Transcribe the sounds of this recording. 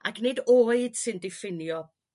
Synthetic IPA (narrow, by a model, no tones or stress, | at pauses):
a̰knedoːɨd̥sɨndɪfɪnjɔ